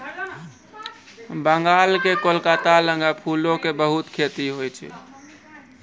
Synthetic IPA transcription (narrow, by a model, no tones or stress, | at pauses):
bəŋɡalkekolkat̪aləŋɡəpʰulokebəɦut̪kʰet̪iɦojt͡ʃʰɛ̰